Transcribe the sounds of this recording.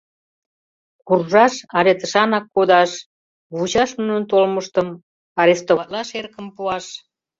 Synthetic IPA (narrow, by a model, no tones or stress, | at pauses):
kurʒɑʃɑɾet̪əʃɑnɑkːod̪ɑʃ | βut͡ɕɑʃmunənt̪olməʃt̪əm | ɑɾest̪ot̪lɑʃerkəmpuɑʃ